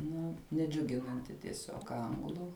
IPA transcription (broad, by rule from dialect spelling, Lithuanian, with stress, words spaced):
ˈnʊ nʲɛˈd͡ʒʲʊɡʲɪnɐnʲtʲɪ tʲiɛˈsʲoːk ˈɐŋɡlˠʊ